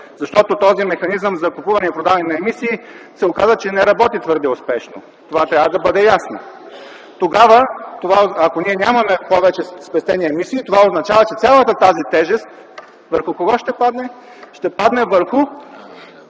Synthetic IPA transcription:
zɐʃt̪ɔt̪ot̪ɔzimɛxɐnizəmzɐkopuvɐnɛipɾod̪avɐnɛnɐɛmisiː | sɛokazət͡ʃɛnɛɾɐbɔt̪it̪vɤɾd̪ɛospɛʃno̰ | t̪ovat̪ɾʲavəd̪ɐbɤd̪ɛjasno̰ | t̪oɡavət̪ovaoɐkoniɛnʲamɐmɛpɔvɛt͡ʃɛspɛst̪ɛniɛmisiːt̪ovaoznɐt͡ʃavɐt͡ʃɛt̪sʲalˠət̪ət̪azit̪ɛʒɛst̪̚ | vəɾxʊkoɡɔʃt̪ɛpad̪nɛ | ʃt̪ɛpad̪nɛvəɾxʊ

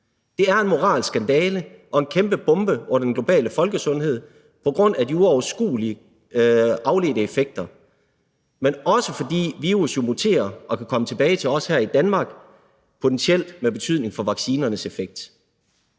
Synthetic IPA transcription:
d̥e̝æɐe̝nmo̝ʁɑ̰̈ːlsɡ̥ænd̥ɛːləʔɒ̽e̝nkʰemb̥əb̥ɔ̽mb̥əɔn̰ɐd̥enɡ̥lo̝b̥ɛ̰ːləfɒ̽lɡ̥əsɔ̽nɦe̝ð̰ˠ | pʰɒ̽ɡ̥ʁɔ̽n̰ædiuɒʊɐsɡ̥ṵːliə | ɑ̈ʊle̝̰ːd̥əefeɡ̥̚d̥ɐ | menɒ̽səfɒ̽d̥ḭːʋiːʁusjo̝mo̝t͡sʰe̝̰ːɐʔɒ̽kʰækʰɒ̽mət͡sʰe̝b̥ɛːɪt͡sʰe̝lɒ̽shæɐ̰id̥ænmɑ̈ːɡ̥ | pʰo̝t͡sʰensiel̰d̥meb̥e̝t͡sʰyð̰ˠne̝ŋfɒ̽ʋɑ̈ɡ̥siːnɐnəse̝feɡ̥̚d̥

